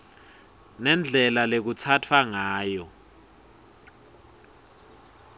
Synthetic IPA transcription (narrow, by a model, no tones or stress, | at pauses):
nɛnd͡ɮʱɛlalek̬ut͡sʰatʰwaŋaːjɔ